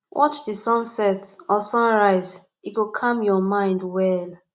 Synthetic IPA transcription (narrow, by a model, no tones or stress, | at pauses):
wʔɔt͡ʃdisɔ̃nsɛtɔsɔ̃nɹaɪz | iɡokʰãmjɔmãɪ̃ndwɛl